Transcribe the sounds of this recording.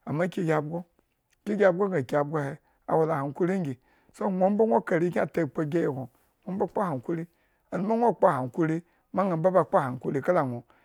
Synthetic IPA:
a˨ma˦kʲi˦ɡʲa˨bɡo˦˨ | kʲi˦ɡʲa˨bɡo˦ɡa˨kʲa˨b̚ɡo˦he˨ | a̰˨wa˨la˨ha˨ŋku˦ɾi˦ŋ˦ɡʲi˨ | so˦ŋʷo˦m˦ba˦ŋʷo˦ka˨ɾi˦kʲi˦a˦˨ta˨k͡po˦ɡʲe˦ji˨ko˨ | ŋʷo˨˦mba˦k͡pa˦a˨ŋ˨ku˦ɾi˦ | a˨nu˦ma˦ŋʷo˦˨k͡pa˦˨ha˨ŋku˦ɾi˦ | ma˦ŋ˦a˨mba˦ba˨k͡pa˦˨ha˨ŋ˨ku˦ɾi˦ka˦la˨ŋʷo˨

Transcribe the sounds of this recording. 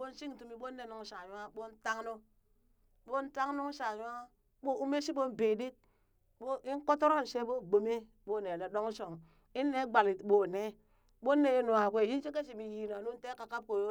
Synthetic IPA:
bo˦n˦si˦ŋ˨tu˨mi˨ɓo˦nːe˨nu˨ŋ˦sa˨ɲu˦a˦ɓo˦n˦ta˦ŋno˦ | ɓo˦n̩˦ta˦ŋ˦nu˦ŋ˦sa˨ɲ˦a˦ | ɓo˦u˦me˦si˦bo˦n˨be˨di˦t̚ | ɓo˦i˦ŋ˦ko˦to˦ɾo˦n˨se˦bo˦˨ɡ͡bo˨me˦ | bo˦˨ne˨le˨do˦ŋ˦so˨ŋ | i˦nːe˦ɡ͡ba˨li˨tɓo˨ne˦ | ɓo˦nːe˨je˦nu˨a˨kʷe˦˨ji˦n˦t͡ʃi˦ke˦s̬i˨mi˨ji˨na˨nu˦n̩˦te˦ka˨ka˦p̚ko˨jo˦

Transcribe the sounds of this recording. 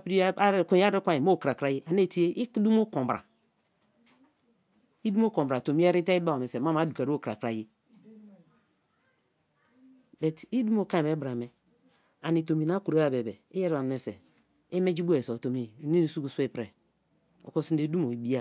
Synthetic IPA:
a˨pɾi˦ko˨ja˦ɾe˦kʷa˦˨ji˨mo˦˨kɾa˨kɾa˨˦ji˦ʔa˨ne˦˨ti˦e˦ʔi˦kdu˦mo˦kõ˨mbɾa̰˨ | i˦du˦m˦o˦ko˨mbɾa˨to˨mi˦a˦ɾi˦te˦i˦ba˦˨a˨me˨se˨ma˦ma˨˦du˨ka˨ɾo˦kɾa̰˨kɾa˨ji˦ | bɛ˨ti˦du˦mo˨ka˦e˨e˨˦bɾa˨me˨ | a˨ni˨to˨mi˨na˨˦ku˨ɾe˦a˨be˨be˨e˦je˦ɾi˦˨a˨me˨sḛ˨ | e˦me˦d͡ʒi˦bu˦e˨so˨to˨mi˦˨ni˦ni˨su˦ku˨su˦e˦pɾe˨ | o̰˨ko˦si˦n˦e˨˦du˦mo˨i˨bi˦a˦˨

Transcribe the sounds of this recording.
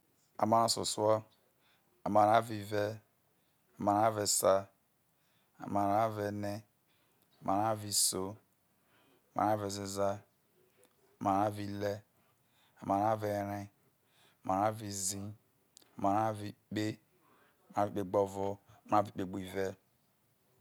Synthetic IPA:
a̰˨ma˨ɾa˨sṵ˨su˦ɔ˦ | a˨ma˨ɾa˦vi˨ve˦ | a˨ma˨ɾa˦ve˨sa˦ | a̰˨ma˨ɾa˦ve˨ne˦ | a˨ma˨ɾa˦vi˨so˦ | a˨ma̰˨ɾa˦ve˨zi˦za˦ | a˨ma˨ɾa˦vi˨le˦ | a˨ma˨ɾa˦ve˨ɾi˦ | a˨ma˨ɾa˦vi˨zi˦ | a˨ma˨ɾa˦vi˨k͡pe˦˨ | m˨˦a˦vi˨k͡pe˨ɡ͡bo˦vo˦˨ma˨˦a˦vi˨˦k͡pe˦ɡ͡bi˦˨ve˦

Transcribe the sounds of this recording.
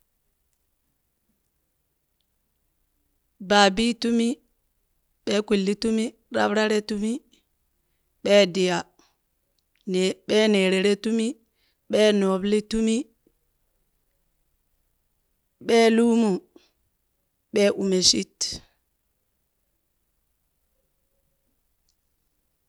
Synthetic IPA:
baː˨bi˦tu˦mi˦ | ɓɛ˦ku˨lːi˦tu˦mi˦ | ɾa̰˦bɾa˦ɾe˦tu˦mi˦ | ɓɛ˦di˨ja˨ | nɓɛ˦ne˨ɾɛ˨ɾe˦tu˦mi˦ | ɓɛː˦no˨bli˦tu˦mi˦ | ɓɛ˦lu˦mu˨ | ɓɛ˦ʔu˨me˨si˦t

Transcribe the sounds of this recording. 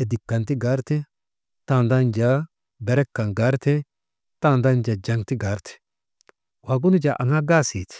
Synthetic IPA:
ɛ˨d̪ɪ˨kːɐ˨nt̪ɪ˦ɡaː˦ɾt̪ɛ˦ | t̪a˨nd̪a˦nd͡ʒa˦ | bɛ˨ɾɛ˦kːɐ˨nɡaː˨˦ɾt̪ɛ˦ | t̪a˦nd̪a˦nd͡ʒa˨d͡ʒɐ˨ŋt̪ɪ˦ɡaː˦ɾt̪ɛ̥ | waː˨ɡʊ˦nɪ˦d͡ʒa˨ʔɐ̰˨ŋa˦ɡaː˦siː˨t̪ɛ̥

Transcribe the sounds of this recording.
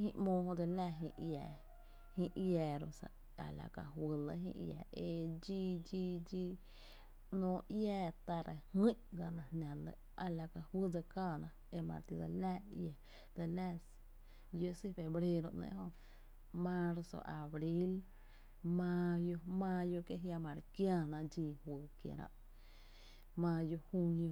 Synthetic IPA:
hĩ˧ʔmõː˧˨hõ˧d̪ə˧læ˧ɦḭ̃˧ʔjɛː˨ | hĩ˧ʔjaː˨˧ɾo˧sa̰˧˨ | a̰˨la̰˨ka˧hwɨ˧lə̰˧ɦḭ̃˧ʔja̰ː˧˨e˧˨d͡ʒi˦d͡ʒiː˦d͡ʒi˦ | nõː˧˦jɛː˧˨t̪a˧ɾe˧hĩ˦ʔɡa˧nã˧nã˨lə˧ | a˧la˨ka˧hwɨ˦d͡za˧kaː˦˧˨nã˧ | e˧mã̰˧ɾt̪i˧d̪a̰˧lɛː˦ja˨ | d̪ə˧lɛ˦˧s | jo˧si˦fe˨bɾe˧ɾo˧ʔnḛ̃˧ʔɦo˧ | mã˦ɾso̰˨˧ʔa˨bɾi˦l | mã˧jo˧mãː˧jo˧ke˧ɦja˧mã˨ɾkja˦˧nã˧d͡ʒiː˧hwəː˨kjḛ˨ɾã̰˧ʔ | mãː˧jo˧hu˦˧njo˧

